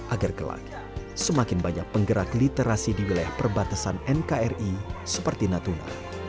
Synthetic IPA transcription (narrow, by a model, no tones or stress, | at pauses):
ʔaɡarkəla̰ɡa | səmakɪnbaɲak̚pəŋɡəɾaklit̪eɾasidiwilajahpərbat̪asanɛnkaɛrisəpərt̪inat̪una̰